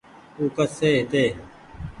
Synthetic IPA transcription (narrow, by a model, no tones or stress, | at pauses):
uːkəseːɦt̪eː